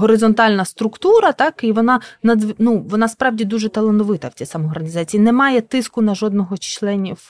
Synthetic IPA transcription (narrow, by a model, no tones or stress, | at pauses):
ɦɔɾɪzɔnt̪ɑlʲnɐst̪ɾʊkt̪uɾɐt̪ɑkiʋɔnɑnɐd̪nuʋɔnɑspɾɑwdʲid̪uʒɛt̪ɐlˠent̪ɔʋɪt̪ɐw̥t͡sʲisɐmɔɔrɐnʲizɑt͡sʲijinɛmɑjɛt̪ɪskʊnɐʒɔd̪̚nɔɦɔt͡ʃt͡ʃlˠɛnʲiw